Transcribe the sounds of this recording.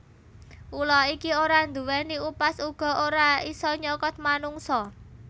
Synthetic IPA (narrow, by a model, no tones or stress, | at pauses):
ʔulɔikioɾand̪uwɛniupasuɡ̥ɔ̤oɾaisɔɲɔkɔt̪̚manuŋsɔ